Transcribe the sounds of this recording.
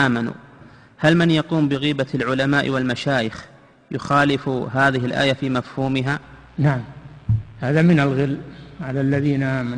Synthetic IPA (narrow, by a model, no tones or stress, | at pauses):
ʔaːmanṵː | halmanjɑquːmbɪɣiːbalʕʊlamaːʔwalmaʃaːjɪx | jʊxaːlɪfɦaːðɪɦɪlʔa̰ːjafiːmafhuːmɪɦa | naʕamhaːðamɪnalɣɪlːʕalalːaðiːnaʔaːma